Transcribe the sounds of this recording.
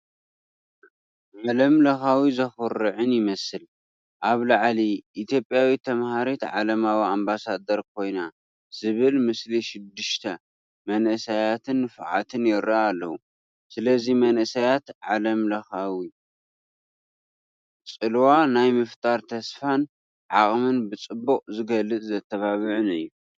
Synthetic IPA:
ʕalɐmlɐxawizɐxɔɾɨʕɨnjɪmɐsɨl | ʔaβlaʕliʔːt̪ʰjo̞pʼjawit̪ʰɐmhaɾet̪ʕa̰lɐmawiambasad̪ɐɾkʰo̞jna | z̥ɨβɨlmɨsliʃɪd̪ːɨʃt̪ʰɐ | mɐnʔɨsajat̪ʰɨnːɨfʕa̰t̪ʰɨnjɪɾaːlːɐwu | sɨlɐzimɐnʔɨsajat̪ʕalɐmlɐxawi | t͡sʼɨlwanajmɨft̪ʼaɾt̪ʰɐsfan | ʕaχʼmɨnbɨt͡sʼɨbːuqʼzɨɡɐlːɨt͡s̪ʼzɐt̪ʰːɐβaβɨʕʊnɨjːu

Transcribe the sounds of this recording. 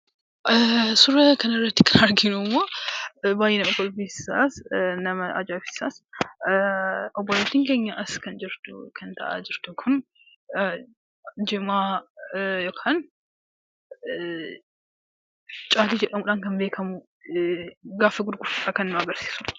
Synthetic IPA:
sʊrɐkɐnɪrːɐt̪ːɪkɐnɐɾɡɪnʊmːoːbaːjenɐmɐfɔlbisɪ̥sasnɐmɐɐ̰d͡ʒaːfɪ̥saːs | ɔbːɔlet̪ːiːŋkeːɲːɐʔɐskɐnd͡ʒɪɾt̪ʊkʰɐnt̪ʰɐʔa̰ːd͡ʒɪɾt̪ʊkʰʊn | d͡ʒɪmaː | joːkʰaːn | t͡ʃʼaːt̪iːd͡ʒɛᶑɐmʊᶑaːnkɐnbe̞ːkʰɐmʊ | ɡaːfɐɡʊd̪ɡʊfʊᶑakɐnɪnɐɡɐɾsi̥ːsʊ̥

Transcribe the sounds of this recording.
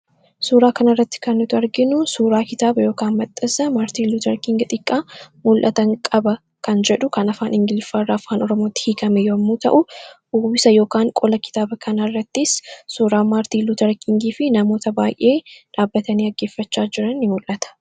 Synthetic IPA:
suːɾaːkɐnɐrːɐt̪ːɪ̥kɐnːɪt̪ʊɐɾɡɪnʊsuːɾaːkɪt̪aːbɐjo̞ːkaːnmɐt̪ʼːɐsɐmaːɾt̪iːlut̪ɐɾkɪŋɡɐt̪ʼɪkʼːaːmʊlʔɐt̪ɐŋkʼɐbɐ | kɐnd͡ʒɛᶑʊkɐnɐfaːnʔɪŋɡɪlfaːrːaːfaːnɔɾɔmo̞ːt̪ːɪ̥hiːkɐmɛjoɐmːuːt̪ɐ̰ʔʊ | uːbɪsɐjo̞ːkaːŋkʼɔlɐkɪ̥t̪aːbɐkʰɐnɐrːɐt̪ːɪsːuːɾaːmaːɾt̪iːlut̪ɐɾkiŋɡiːfɪnɐmoːt̪ɐbaːjʔe̞ːᶑaːbːɐt̪ɐniːɐɡːe̞ːfːɐt͡ʃːaːd͡ʒɪɾɐnːɪmʊlʔɐt̪ɐ̥

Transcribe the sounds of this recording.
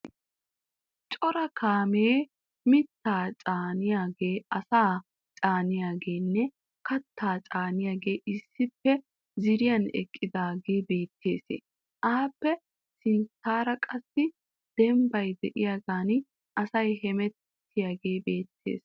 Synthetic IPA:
t͡ʃʼɔɾɐkʰaːmeː | mɪt̪ʰːaːt͡ʃʼaːnɪjaːɡeːɐsaː | t͡ʃʼaːnɪjaːɡe̞ːnːɛ | kɐt̪ːaːt͡ʃʼaːnɪjaːɡe̞ːʔɪsːɪpːɛ | zɪɾɪjɐnɛ̰kʼːɪd̪aːɡeːbe̞ːt̪ʰːe̞̰ːsḛ | ʔaːpːɛ | sɪnt͡sːaːɾɐkʼɐsːɪ | d̪̥ɛmbɐjd̪ɛʔɪjaːɡaːn | ʔɐsɐjhɛmɛtː | ɪjaːɡe̞ːbeːt̪ʰːḛːs

